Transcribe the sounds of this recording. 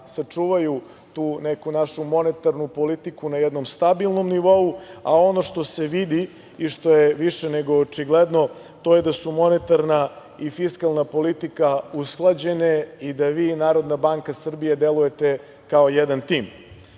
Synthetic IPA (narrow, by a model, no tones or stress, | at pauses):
sat͡ʂuːʋaju | t̪uːnekunaʃumo̞net̪aɾnupo̞lit̪ikunajɛd̪no̞mst̪abilˠno̞mniʋo̞ua̰o̞no̞ʂt̪o̞se̞ʋid̪i | iʃt̪o̞jeʋiʃeneɡo̞ːt͡ʂiɡled̪no̞ | t̪o̞jed̪asumo̞net̪aɾna | ifiskalˠnapo̞lit̪ikausklˠad͡ʑe̞neid̪aʋiːnaːɾo̞d̪nabaŋkasr̩bijed̪elˠuje̞t̪e | kaojɛd̪ant̪iːm